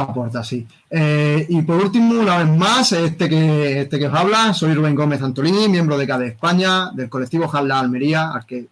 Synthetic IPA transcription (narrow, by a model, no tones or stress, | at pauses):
apo̞ɾt̪asi | eipo̞ɾult̪imuunaβe̞masest̪e̞keest̪e̞keosaβ̞laso̞jruβe̞ŋɡo̞me̞θant̪olinimje̞mbɾoð̞ekaðeːspaɲad̪e̞lko̞let̪iβoxalːaːlme̞ɾiaa̰lke